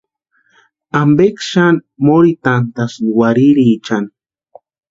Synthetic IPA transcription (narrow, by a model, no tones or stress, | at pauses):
ambekʃanmoɾit̪ant̪asnwaɾiɾit͡ʃan